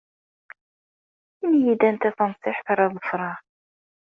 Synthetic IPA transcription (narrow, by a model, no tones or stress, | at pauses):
imjid̪ænt̪æθənsˤɪħθɑɾˤɑðˤəfɾˤɑɾ